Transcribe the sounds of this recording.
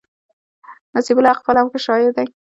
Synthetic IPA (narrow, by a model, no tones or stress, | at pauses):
nasibʊlaqfalamkeʃɑjɪɾd̪aj